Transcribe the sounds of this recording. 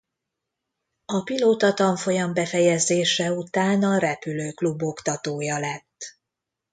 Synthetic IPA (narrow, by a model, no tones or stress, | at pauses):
ɒpiloːt̪ɒt̪ɒɱfo̞jɒmbɛfɛjɛzeːʃɛut̪aːnɒɾɛpyløːklubo̞kt̪ɒt̪oːjɒlɛt̪ː